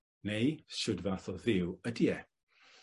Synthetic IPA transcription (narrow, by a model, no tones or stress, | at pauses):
nejʃʊdvaθɔðɪwədiɛ